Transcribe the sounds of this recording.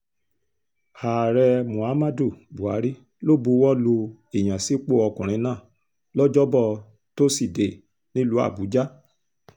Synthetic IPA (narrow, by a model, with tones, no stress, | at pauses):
aː˨ɾɛ˧mũ˨a˨˦ma˦do˦˨bu˨a˨˦ɾi˦ | lo˦˨bu˧˦wɔ˦lo˧e˨j̃ã˨si˨˦k͡po˦ɔ˧kũ˨ɾ̃ĩ˨˧˦nãː˦˨ | lɔ˦d͡ʒɔ˦bɔ˦˨ | to˦si˦˨de˨ | nĩ˦lu˦a̰˦˨bu˨˦d͡ʒa˦